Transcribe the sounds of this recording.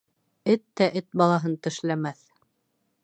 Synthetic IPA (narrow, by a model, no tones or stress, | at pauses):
ɘt̪ːæʔɘt̪̚bɑlˠɑɦɤnt̪ɘ̆ʃlæmæθ